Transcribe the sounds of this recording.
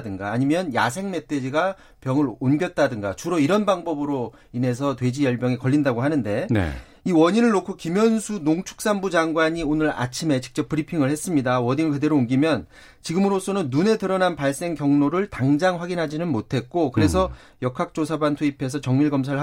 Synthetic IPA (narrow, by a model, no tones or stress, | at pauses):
dɯnɡaːɲimjʌnja̰sʰe̞ŋme̞t͈ʰe̞d͡ʑiɡa | pjʌŋɯɾonɡjʌt̚t͈adɯŋɡat͡ɕuɾʌiɾʌnbaŋbʌbɯɾo | ine̞s̬ʰʌtwe̞d͡ʑijʌɭbjʌŋekʌʎːindaɡoɦanɯnde̞n̰ | iwʌɲinɯɭːokʰokimjʌnsʰunoŋt͡ɕʰu̥k̚s͈anbud͡ʑaŋɡwaɲionɯɾa̰t͡ɕʰime̞t͡ɕi̥k̚t͡ɕ͈ʌp̚p͈ɯɾipʰiŋɯɭhes͈ɯmɲidawʌɲinɯɭkɯde̞ɾoːŋɡimjʌn | t͡ɕiɡɯmɯɾos͈ʰʌnɯnːune̞tɯɾʌnanpaɭs͈e̞ŋkjʌŋnoɾɯɭtaŋd͡ʑaŋɸwaɡinɦad͡ʑinɯnmotʰe̞t̚k͈okɯɾe̞sʰʌ | jʌkʰak̚t͡ɕ͈osʰabantʰuipʰe̞s̬ʰʌt͡ɕʌŋmiɭɡʌmsʰaɾɭ